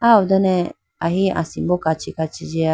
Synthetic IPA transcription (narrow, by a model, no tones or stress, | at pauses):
aud̪ɔnɛ̃ | aɦiʔã̰sĩmbokat͡ʃikat͡ʃid͡ʒia